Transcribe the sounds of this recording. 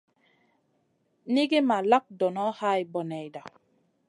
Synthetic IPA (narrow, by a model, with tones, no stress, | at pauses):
ni˦ɡe˦ma˨la˦k̚dɔ˨nɔ˦ha˦˨i˨bɔ˨nɛ˨jda˨